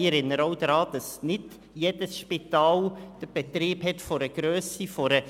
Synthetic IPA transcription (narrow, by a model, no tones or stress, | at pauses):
əɾɪnːəɾoʊd̪ɾɑːd̪̥ɑsnɪd | jeːd̥əsʃpit̪ɑːld̪̥əɾb̥ɛt̪ɾiːbhɛtfɔɾəɡ̥ɾøːsifɔɾə